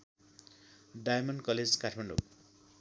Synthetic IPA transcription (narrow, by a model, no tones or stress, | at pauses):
ɖajmʌnkʌled͡zkaʈʰmaɳɖo̰